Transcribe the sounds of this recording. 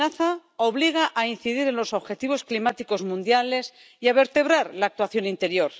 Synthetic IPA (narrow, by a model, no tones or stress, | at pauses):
aθao̞βliɣ̞aʔain̟θiðiɾe̞nlo̞so̞βxe̞t̪iβ̞o̞sklimat̪iko̞zmũnd̪jale̞s | iaβe̞ɾt̪e̞β̞ɾaɾlaːk̚t̪waθjo̞nint̪e̞ɾjo̞ɾ